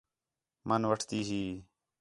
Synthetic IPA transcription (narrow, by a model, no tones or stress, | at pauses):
mənʋəʈʰt̪iːɦiː